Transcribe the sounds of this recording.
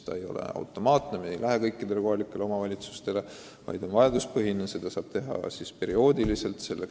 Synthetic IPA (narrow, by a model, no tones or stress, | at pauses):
t̪ɑ̰e̞jo̞̰lḛɑ̰wt̪ːˑo̞mɑːt̪ˑnemiejlæɦekɤjkːˑid̪e̞leko̞ɦɑlikːˑe̞leo̞mɑvɑlʲit̪su̥st̪e̞le̞ | vɑ̰jd̪̥o̞nvɑjɑd̪uspɤɦinese̞d̪̥ɑsɑːb̥̚t̪e̞ɦɑ̰sispe̞ɾio̞ːd̪ilise̞lt̪se̞lːe